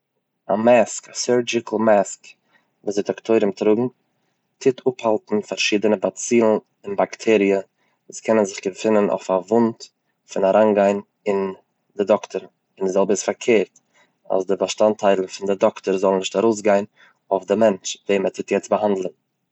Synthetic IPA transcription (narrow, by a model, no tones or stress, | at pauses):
a̰maskasɜɾd͡ʒɪkʰl̩ˠmask | vṵːzeɪdɔktʰoɪɾəmtɾʊɡŋ̩ | tʰɪtʰʊphalˠtn̩faɾʃiːdənəbat͡siːlˠn̩ | ɪnbaktʰɛɾiə | vuːskʰɛnənzɪχɡəfɪnəno̰ʊfavʊnt | fɪnaɾʔaːnɡaɪn | ɪn | dɪdɔktəɾ | ɪndɪzɛlˠbəɪsfaɾkʰeːɾt | a̰sdɪbaʃtantʰaɪlˠn̩fɪndɪdɔktəɾzɔlˠn̩ɪʃtaɾoʊs̬ɡaɪn | ofdɪmɛnt͡ʃveɪmətʰɪtjɛt͡sbəɦandl̩ˠn̩